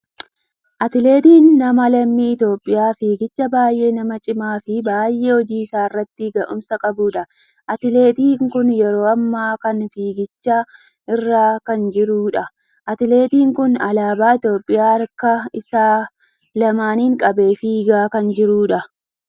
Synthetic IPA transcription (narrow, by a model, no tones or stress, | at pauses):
ʔɐt̪ɪle̞ːt̪iːnːɐmɐlɐmːiːɪt̪jo̞ːpʼːɪjaːfiːɡɪt͡ʃːɐbaːjʔe̞ːnɐmɐt͡ʃʼɪmaːfɪbaːjʔe̞ːhɔd͡ʒiːɪsaːɪrːɐt̪ːɪɡɐʔʊmsɐkʼɐbuːᶑɐ | ʔɐt̪ɪle̞ːt̪iːŋkʊnjɛɾo̞ːɐmːaːkɐnfiːɡɪt͡ʃːaː | ɪrːaːkɐnd͡ʒɪɾuːᶑɐ | ʔɐt̪ɪle̞ːt̪iːŋkʊnɐlaːbaːɪt̪jo̞ːpʼːɪjaːɐɾkɐɪsaː | lɐmaːniːŋkʼɐbe̞ːfiːɡaːkɐnd͡ʒɪɾuːᶑɐ